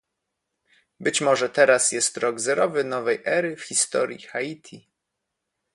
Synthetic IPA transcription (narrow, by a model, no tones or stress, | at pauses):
bɘt͡ɕmɔʐɛt̪ɛɾasjɛst̪ɾɔɡzɛɾɔvɘnɔvɛjʔɛɾɘfxʲist̪ɔɾʲjḭxait̪ʲʰi